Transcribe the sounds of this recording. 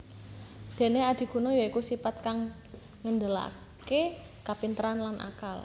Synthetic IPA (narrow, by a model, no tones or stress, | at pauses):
d̪̥e̤nead̪̥i̤ɡ̥ṳnojɔikusipat̪̚kaŋː | ənd̪əla̰ | ke | kapint̪əɾanlanʔa̰kal